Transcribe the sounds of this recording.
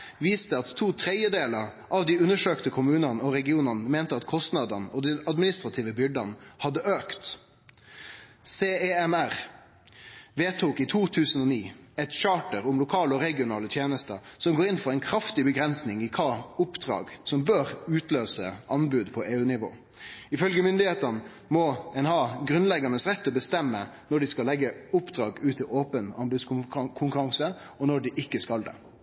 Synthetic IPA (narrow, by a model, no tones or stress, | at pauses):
ʋiːst̪əɑt̪ʰːuːt̪ʰɾɛjəd̪eːləɾ | ʔɑʋd̪ɪʉnːəʂøːkt̪əkʰʊmʉːnɑnəɔɾɛɡɪuːnɑnəmeːnt̪əɑt̪kʰɔst̪nɑd̪ənɔd̪ɛnɑd̪mɪnɪst̪ɾʁɑt̪ʰiːʋəbʏɖɑnhɑd̪ːəʔøːkt̪ | seːeːɛmæʁ | ʋeːt̪ʰuːkit̪ʰuːt̪ʰʉːsən̩ɔniːɛt̪ʃɑːʈəɾʊmlʊkʰɑːləɔɾɛɡɪʊnɑːlət̪ʰjeːnəst̪əsɔmɡoːɾɪnfɔɾæɛɪnkʰɾɑft̪ɪbəɡɾɛnsnɪŋɪkʰɑːʊpd̪̥ɾɑ̰ːɡsɔmbøːɾʉːt̪løːsə̰ʔɑnbʉd̪pʰɔʔeːʉːnɪʋo̰ː | ɪfœlɡəmʏnd̪ɪheːt̪ən | mɔɛnhɑːɡɾʉnlɛɡɑnəsʁɛt̪ːɔbəst̪ɛmːənɔɖɪskɑlɛɡːəʊpd̪̥ɾɑːɡʉːt̪ʰɪoːpənɑnbʉd̪skʰʊŋkʉɾɑŋsə | ɔnɔɖɪʔɪkːəskɑld̪ɛ̰